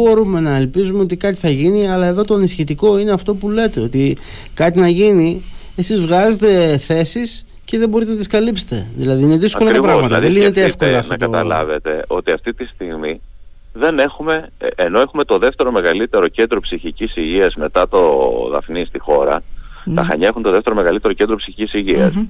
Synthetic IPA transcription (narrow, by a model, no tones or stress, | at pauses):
bo̞ɾume̞nɐelpizumeo̞t̪ikɐt̪i̥θɐʝiniɐlɐe̞ðo̞t̪oɐnisçit̪iko̞ineɐft̪o̞pule̞t̪e̞o̞t̪i | kɐt̪inɐʝini | e̞sizvɣɐze̞t̪e̞θe̞sis | ce̞ðebo̞ɾit̪enɐt̪iskɐlipse̥t̪e̞̰ðilɐðiine̞ðisɐo̞lɐtɾɐpɾɐmɐt̪ɐððelinet̪eefko̞lɐfnoɐotɐot̪ɐ̰lɐ̰vet̪e̞o̞t̪iɐft̪it̪ist̪iɣmi | ðe̞ne̞xume̞ʔeno̞e̞xume̞t̪o̞ðe̞ft̪e̞ɾo̞me̞ɣɐlit̪e̞ɾo̞ce̞nd̪ɾo̞psiçicisiʝiɐzme̞t̪ɐt̪o̞ðɐ̰fnist̪ixo̞ɾɐ̰t̪ɐ̰xɐ̰ɲɐexunt̪o̞ðeft̪eɾo̞me̞ɣɐlit̪eɾocend̪ɾopsiçicisiʝiɐs